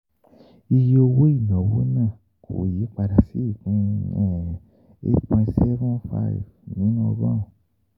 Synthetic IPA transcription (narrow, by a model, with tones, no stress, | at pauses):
i˧je˧˦o˧wo˦i˦˨nã˨wo˦nãː˦˨ | kʰo̰˨ji˨˦k͡pa˧da˧si˦˨kũ˨˦ɛ˦˨ | ḛ˦tpɛ̃˧tsɛ˦vɔ̃˦fa̰˦ḭ˨vnĩ˨˦nã˧bã˦˨